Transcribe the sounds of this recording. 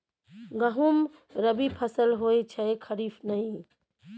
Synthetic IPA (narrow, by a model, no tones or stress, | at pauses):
ɡəɦum | ɾəbipʰəsəlɦojt͡ʃʰəekʰəɾifnəɦĩ